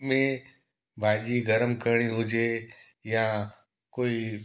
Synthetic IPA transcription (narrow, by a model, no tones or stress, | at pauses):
mẽ | bʱaːʄiɡəɾəmkəɾɽ̃iɦʊd͡ʑe | jã | koːi